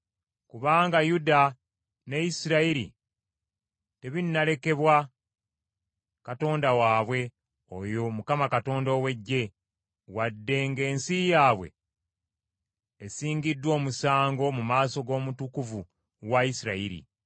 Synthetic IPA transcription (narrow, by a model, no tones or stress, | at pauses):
kuβaːŋɡajuda | nejisiɾaiɾḭ | te̞βinːale̞ke̞βwa | kato̞ːndawaːβwe̞ | o̰jo̞mukamakato̞ːndo̞ːwe̞ɟːe̞ | wadːe̞ŋɡe̞ːnsijaːβwe̞̰ | siːŋɡidːwo̞ːmusaːŋɡo̞mumaːso̞ɡo̞ːmutukuvu | waisiɾaiɾḭ